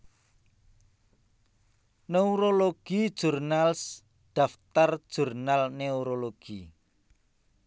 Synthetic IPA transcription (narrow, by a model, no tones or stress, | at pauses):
neuɾoloɡ̥id̥ʒ̥urnals | ɖ̥aft̪ar̥ʒ̥urnalneuɾoloɡ̥i